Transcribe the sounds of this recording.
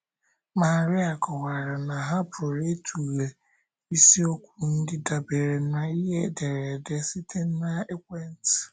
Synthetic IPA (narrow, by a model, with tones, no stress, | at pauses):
ma˨ɾɪ˦a˨kʊ˨ɣa˨ɾa˨na˨ɦa˦pɾo˨ɾe˦tʰu˨ɣe˨ | i˦si˦o˦kʷu˦˨n̩˦dɪ˦da˨be˨ɾe˨˦na˨i˦ɦe˦de˨ɾe˨de˦si˦tʰe˦n̩˦na˦e˦kʷe˦n̩˦t